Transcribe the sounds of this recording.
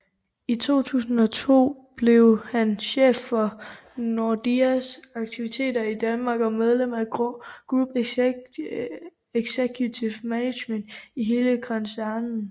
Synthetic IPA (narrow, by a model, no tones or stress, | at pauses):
it͡sʰo̝̰ːt͡sʰṵːsn̩ɒ̽t͡sʰo̝̰ː | b̥le̝ʊhænɕḛːfːɒ | nod̥iæsɑ̈ɡ̥t͡sʰiʋit͡sʰe̝̰ːdɐid̥ænmɑ̈ːɡ̥ɒ̽með̞ˠlem̰æɡ̥ʁub̥ | eɡ̥sekʰjut͡sʰiʊmæne̥jmen̰d̥iɦe̝ːləkʰɒnsæɐnn̩